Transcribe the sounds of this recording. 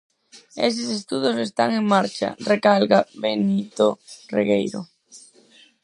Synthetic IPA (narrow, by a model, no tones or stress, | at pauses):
ḛsɪsest̪uðʊsest̪aŋeŋmaɾt͡ʃa̰rekalɣaβenit̪orḛɣejɾʊ̰